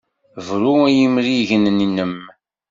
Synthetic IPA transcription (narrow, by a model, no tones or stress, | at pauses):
vɾuæjimɾiʝənninːəm